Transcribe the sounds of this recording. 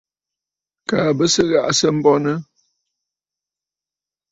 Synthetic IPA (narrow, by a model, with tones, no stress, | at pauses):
kaː˨bə˦sə˦ɣa̰˦˨ʔsə˦m̩˦bɔ˦nə˦